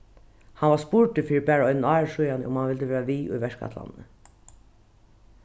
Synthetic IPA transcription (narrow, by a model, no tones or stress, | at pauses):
hanʋaspʊɹʈɪfiːɪbæːɹɔʏnɪnɑːɹʂujanə̰ʊmhanʋɪlt̪əʋeːɹaʋiːʔṵjʋɛʂkʰa̰t̪la̰nːə̰